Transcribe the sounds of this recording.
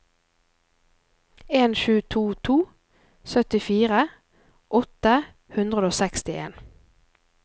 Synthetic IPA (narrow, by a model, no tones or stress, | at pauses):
eːnʃʉːt̪ʰuːt̪ʰuː | sœt̪ɪfiːʁə | ʔɔt̪ə | hʉnd̪ʁəd̪oːsɛkst̪ɪḛːn